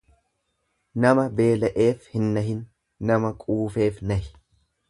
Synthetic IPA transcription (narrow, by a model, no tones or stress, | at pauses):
nɐmɐbe̞ːlɐʔe̞ːfhɪnːɐɦɪnː | ɐmɐkʼuːfe̞ːfnɐhɪ